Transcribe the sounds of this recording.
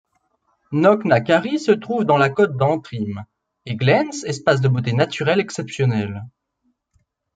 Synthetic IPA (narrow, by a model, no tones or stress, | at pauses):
nɔknakaʁisət̪χuvd̪ɑ̃lakɔt̪̚d̪ɑ̃t̪χim | eɡlɛnsɛspas̬d̪əbot̪enat̪yʁɛlɛksɛpsjɔnɛl